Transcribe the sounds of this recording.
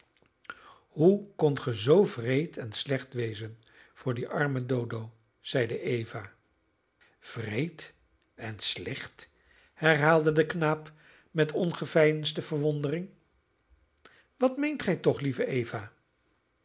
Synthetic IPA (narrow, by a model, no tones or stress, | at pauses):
ɦukɔntχəzowvrejtʰɛnslɛχtʋejzən | v̥ʊːɹdiʔɑɹmədowdow | z̥ɛjdəʔejvaː | v̥rejt | ɛnslɛχt | hɛɹɦaːlˠdədəknaːp | mɛtʰɔnχəvɛjənstəv̥əɹʋɔndərɪŋ | ʋɑtmejntχɛjtɔχlivəʔejvaː